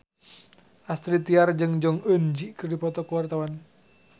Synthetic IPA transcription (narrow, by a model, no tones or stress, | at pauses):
ʔast̪ɾit̪iard͡ʒəŋd͡ʒɔŋənd͡ʒiʔkɨrdipɔt̪ɔkəwart̪awan